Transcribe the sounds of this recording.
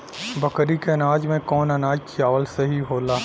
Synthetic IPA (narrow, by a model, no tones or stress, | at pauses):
bɐkɾikeɐnaːd͡ʒmẽkɔːnɐnaːd͡ʒkʰiaːʋəlsɐɦiɦoːlaː